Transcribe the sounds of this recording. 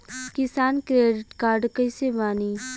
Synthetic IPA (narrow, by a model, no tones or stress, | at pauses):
kɪsaːnkɾeːɖɪʈkaːɾɖkəisebaːniː